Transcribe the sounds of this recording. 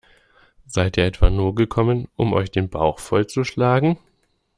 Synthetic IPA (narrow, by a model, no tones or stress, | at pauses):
zaɪtiːɐʔɛtv̥aːnuːɐɡəkʰɔmənʔʊ̰mʔɔ̰ʏçd̥eːnbaʊxfɔlt͡suʃlaːɡŋ̩